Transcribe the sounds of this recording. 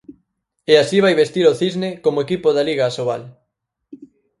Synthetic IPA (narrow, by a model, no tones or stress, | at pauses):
easiβajβest̪iɾoθiznekomoekipoðaliɣaːsoβal